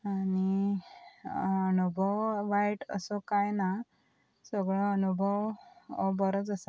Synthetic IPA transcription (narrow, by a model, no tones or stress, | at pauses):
ani | ənubʱɔwʋajʈə̰sɔkajna | səɡɭɔːnubʱəʋɔbɔɾɔt͡səsa